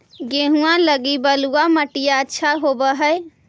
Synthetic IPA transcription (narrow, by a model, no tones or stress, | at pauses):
ɡeɦuãləɡibəluaməʈijaətːʃʰaɦobəɦəɪ